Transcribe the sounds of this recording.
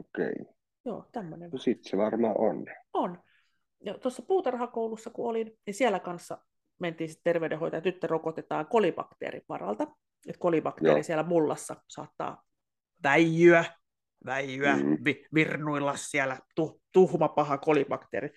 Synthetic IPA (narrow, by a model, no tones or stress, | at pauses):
okḛi | jo̰ːt̪æmːønensit̪seʋɑrmɑːʔonon | jɑt̪osːɑpuːt̪ɑrhɑkoulusːɑkuolinnisiælækɑnsːɑ̰ | ment̪iːnsi̥t̪t̪erʋeydehojt̪ɑjɑt̪yt̪ːørokot̪et̪ɑːŋkolibɑ̰kt̪ḛːrḭʋʋɑ̰rɑ̰lt̪ɑ | et̪kolibɑkt̪ḛːrisiælæmulːɑ̰sːɑsɑ̰ːt̪ːɑ̰ː | ʋæjːyæ | ʋæjːyæʋiʋirnuilːɑssiælæt̪uht̪uhmɑpɑhɑkolibɑkt̪ḛːɾi